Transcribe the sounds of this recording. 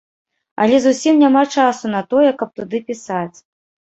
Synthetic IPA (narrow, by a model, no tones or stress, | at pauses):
ɐ̰lʲɛzusʲimnʲamat͡ʂasunɐt̪ɔjɛkɐp̚t̪ud̪ɨpʲisat͡sʲ